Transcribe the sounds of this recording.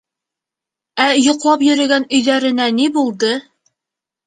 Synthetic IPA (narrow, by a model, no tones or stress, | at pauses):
æjŏqlˠɑpjɵ̆ɾɘ̆ɡænɵ̆jðæɾɘ̆nænibulˠd̪ɤ